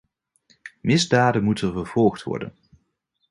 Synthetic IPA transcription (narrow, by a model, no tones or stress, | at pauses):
mɪzdaːdənmutənvəɹv̥ɔlˠχtʋɔ̰ɹdə̰n